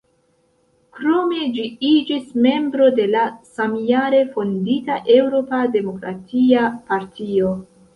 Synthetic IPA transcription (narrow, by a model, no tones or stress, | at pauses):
kɾo̞me̞d͡ʒiid͡ʒisme̞mbɾo̞de̞lasamjaɾe̞fo̞nditaʔe̞wɾo̞pade̞mo̞kɾa̰tʰiapaɾtʰio̞